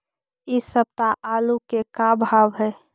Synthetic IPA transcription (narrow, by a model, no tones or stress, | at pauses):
ɪsəb̚t̪aʔaːlukekabʱaːʋɦɛː